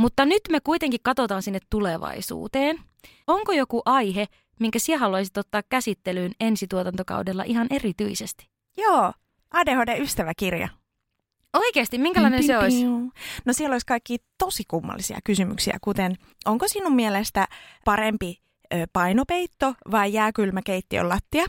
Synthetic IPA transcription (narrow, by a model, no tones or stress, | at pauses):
mut̪ːɑnyt̪mekuit̪eŋkikkɑt̪ot̪ɑːnsinːet̪tuleʋɑ̰isṵːt̪eːn | oŋkojokuʔɑjɦe | miŋkæsieɦɑluɑisit̪ot̪ːɑːkkæsit̪ːelyːnensit̪uot̪ɑnt̪okɑ̰udelːɑ̰ʔiɦɑnʔe̞rit̪yisest̪i̥ | joː | ʔɑːdehodeyst̪æʋækirjɑ̰ | oikeːst̪imiŋkælɑinenseoisnosielːoliskɑikːiːt̪osikumːɑ̰lːisḭɑ̰kysymy̰ksiæ̰kut̪en | ʔoŋkosinummielest̪æpɑɾempi | øːpɑinopeit̪ːoʋɑijæːkylmækeit̪ːio̰lːɑt̪ːiɑ